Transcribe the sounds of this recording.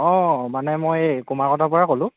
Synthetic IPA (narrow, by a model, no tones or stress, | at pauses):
ɔ̃manɛmojkumaɹkɔtʰapʊɹakolʊ̃